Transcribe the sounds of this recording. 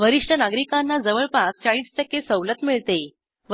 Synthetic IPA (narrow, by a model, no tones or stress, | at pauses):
ʋəɾiʂʈʰənaɡɾikanːad͡zəʋəɭpakt͡ɕaɭiːsʈ̪əkːesəwlət̪miɭt̪e | ʋ